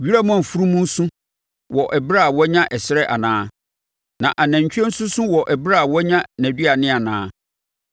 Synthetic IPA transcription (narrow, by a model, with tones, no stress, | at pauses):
ɥi˦ɾa˦mã˨fu˦ɾu˦mũ˦n̩˦sũ˦ | wɔ˨ʔɛ˨bɪ˦ɾa˦˨wɔ˦ɲã˦ʔɛ˨sɪ˦ɾɛ˦ʔa̰˨nãː˦ | nã̰˨ʔa˨næ̃˨ɲ˨t͡ɕᶣɛ˦n̩˦sʊ̃˦sũ˦wɔ˨ʔɛ˨bɪ˦ɾa˦˨wɔ˦ɲã˦næ̃˨dɥa˨nɪ̃˦a˨nãː˦